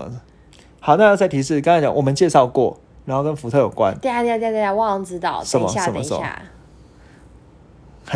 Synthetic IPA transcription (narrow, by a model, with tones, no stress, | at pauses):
hɑ˨˩ʊna˥˧jʊt͡sa˥˩ɪt̪ʰi˧˥ʂɻ̩˥˩kŋ̃˥˩t͡ɕɑ̰˨˦ŋwɔ˨˩mə˨˦nt͡ɕjɛ˥˧ʂɑ˥˧ʊkwɔ̰˥˨ | ɻnxo˥˩ʊkə˦nfu˧˥t̪ʰɤ˥˩˨jo˨˩ʊkwa̰˦na˥ja˥˧t̪ja˥˧t̪ja˥˧˩wɑ˥˧˩ŋt͡sɻ̩˥t̪ɑ̰˥˨˩ʊʂə˨˦˥mɐ̰˦a˧ə˨˦mɐ̰˦sə˨a̰˥˩˨